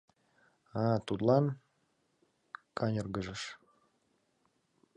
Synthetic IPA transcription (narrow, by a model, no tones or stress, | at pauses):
ɑt̪ut̪lɑn | kʰɑnʲərɡəʒəʃ